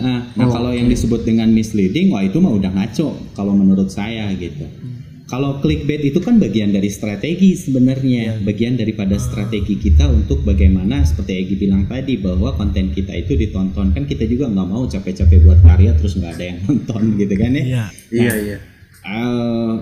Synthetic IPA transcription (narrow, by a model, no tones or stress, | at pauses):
əʔəhnakalawjaŋdisəbʊt̪̚dəŋanmɪslidɪŋwait̪umaudahŋat͡ʃɔʔkalowmənuɾʊt̪̚sajaɡit̪u | kaloklɪk̚bɛt̪it̪ukanbaɡiandaɾist̪ɾat̪eɡisəbənərɲabaɡiandaɾipadast̪ɾat̪eɡikit̪aunt̪ʊk̚baɡajmanasə̥pərt̪iaɡibilaŋt̪adibaɦwakɔnt̪ɛnkit̪a̰it̪udit̪ɔnt̪ɔnkankit̪ad͡ʒuɡaŋɡamaut͡ʃapɛt͡ʃapɛbuat̪̚kaɾiat̪əɾʊsŋɡaːdajaŋt̪ɔnt̪ɔnɡit̪ukana | a | ʔə